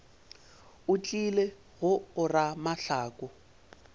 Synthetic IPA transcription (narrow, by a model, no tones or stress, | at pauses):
ʊt͡ɬʼile | ɣʊʊramaɬaːkʼʊ